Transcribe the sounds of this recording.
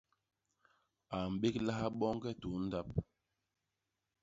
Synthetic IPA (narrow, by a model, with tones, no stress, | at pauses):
a˨m̩˨ɓe˦kla˦ha˦ɓɔ˦ŋ˦ɡɛ˦tu˨˦n̩˦da˦p̚